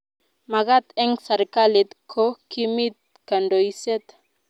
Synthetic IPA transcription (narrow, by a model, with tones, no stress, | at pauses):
ma˨ɣa˦t̪ɛ˦ŋsa˨ɾka˦li˨t̪kʰo˦ki˦mi˦t̪̚ka˨ndo˨jsɛ˦t̪